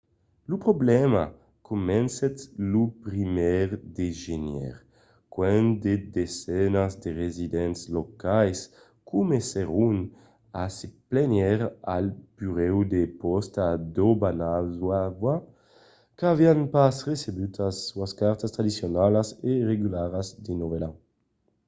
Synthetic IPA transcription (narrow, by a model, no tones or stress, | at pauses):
lupɾoblɛma̰ | kʰumɛnsɛt̪lupɾimɛʁd̪eʒenjɛ̰ʁ | kwɛnd̪ed̪ezɛnazd̪eʁezid̪ɛnslokajs | kumeseʁun | aseplenjɛɾa̰lpyʁɛwd̪epɔst̪ad̪obanazwava | kavianpasʁesebyt̪asːuaskaɾt̪ast̪ɾad̪isjonalaseʁeɡylaɾazd̪enovɛla